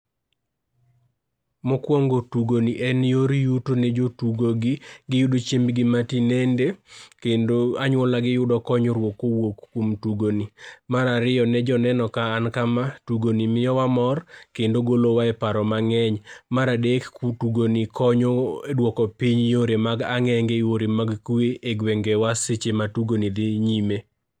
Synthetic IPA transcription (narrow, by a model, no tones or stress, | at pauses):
mɔkwɔŋɡotuɡoniʔɛnjoɾijutonɛd͡ʒotuɡoɡɪɡɪjudot͡ʃembɡɪmatinendekendoaɲwɔlaɡɪjʊdɔkɔɲoɾwokowokkwomtuɡonimaɾaɾɪjɔnɛd͡ʒɔnɛnɔkaːnkamatuɡonimɪɔwamɔrkendoɡolowaɛpaɾɔmaŋɛɲmaɾadektuɡonikʰɔɲodwɔkɔpiɲjoɾemaɡaŋɛŋɡeoɾemaɡkueʔeɡweŋɡewaset͡ʃematuɡonid̪ɪɲime